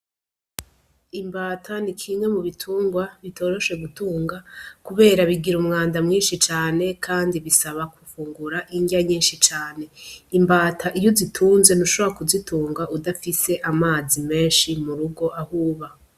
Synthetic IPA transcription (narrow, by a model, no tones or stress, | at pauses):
imbaːtʰanikʰimŋe̞muβitʰuːŋɡwaβito̞ɾoʃe̞ɡutuːŋɡakuβe̞ːɾaβiɡiɾumŋaːndamŋiːnʃit͡ʃaːne̞kʰaːndiβisaβakufuːŋɡuɾaʔiɲɡaɲiːnʃit͡ʃaːne̞imbaːtʰaʔijozitʰuːnze̞nuʃoβoɾakuzitʰuːŋɡaʔudafise̞ʔamaːzime̞ːnʃimuɾuɡo̞ʔahuːβa